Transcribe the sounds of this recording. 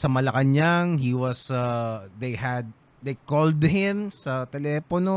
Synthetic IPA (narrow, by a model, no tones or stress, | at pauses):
sɐmɐlɐkɐɲaŋhiwɐsad̪ejhɐd̪̚ | d̪ejkold̪hɪ̃msɐt̪ɛlɛːpono